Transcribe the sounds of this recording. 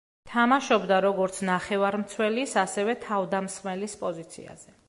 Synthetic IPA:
t̪ʰamaʃɔbd̪aɾɔɡɔɾt̪sʰnaχɛvaɾmt̪sʰwɛlisasɛvɛt̪ʰavd̪amsχmɛlispʼɔzit̪sʰḭa̰z̥ɛ

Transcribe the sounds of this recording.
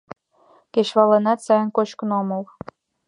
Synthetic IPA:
keʃβɑlɤ̆nɑt̪sɑjə̆nkot͡ɕknomɤ̆l

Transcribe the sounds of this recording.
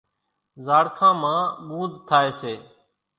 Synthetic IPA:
zaːɽkʰãːmãːɠũːd̪t̪ʰaːeːseː

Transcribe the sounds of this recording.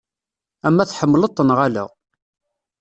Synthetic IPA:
æmːæθħəmːlət̪ˤːənʁala̰ʁ

